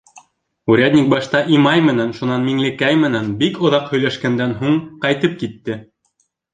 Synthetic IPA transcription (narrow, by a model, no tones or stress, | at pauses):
uɾʲæd̪ʲnʲik̚bɑʃt̪ɑʔimɑjmɘ̆nænʃunɑnmiŋlɘ̆kæjmɘ̆nænbikŏðɑqhɵ̆jlæʃkænd̪ænɦuɴqɑjt̪ɤp̚kit̪ːɘ